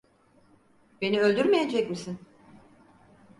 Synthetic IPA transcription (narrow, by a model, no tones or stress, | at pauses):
be̞niølʲd̪yɾmejed͡ʒɛcmisin